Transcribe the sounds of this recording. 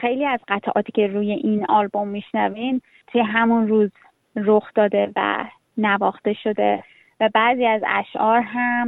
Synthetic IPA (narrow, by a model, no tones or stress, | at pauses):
xejliːæzɢæt̪ʰʔɒ̰ːt̪ʰiːcʰe̞ɾuːje̞ʔinɒlbo̞mːiʃnævin | t̪ʰujeɦæmunruːz | ɾoxd̪ɒːd̪e̞væ̰ | nævɒːxt̪e̞ʃo̞d̪e | væbæziːæzæ̰ʃʔɒːɾɦæm